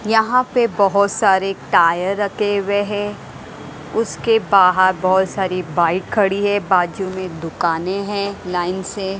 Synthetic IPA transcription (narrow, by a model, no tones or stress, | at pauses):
jɐɦãpebɐɦʊt̪saːɾeʈaːjəɾːɐkeweɦɛ̃ | ʊskebaːɦəɾbɐɦʊt̪saːɾibaːɪkʰːɐɽiɦɛ̃baːd͡ʒumẽd̪ʊkaːneɦɛ̃ːlaːɪnse